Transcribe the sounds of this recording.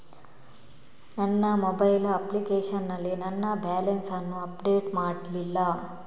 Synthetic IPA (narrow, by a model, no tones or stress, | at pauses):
nɐnːɐmobɐjlɐplikeːʂɐnːɐlːinɐnːɐbaːlɐnsɐnːuɐpɖeːʈmaːɽlilːɐ